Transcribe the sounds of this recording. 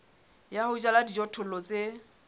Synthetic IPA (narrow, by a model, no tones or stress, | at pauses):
jahʊt͡ʃʼaladid͡ʒɔtʰʊlɔt͡sʼe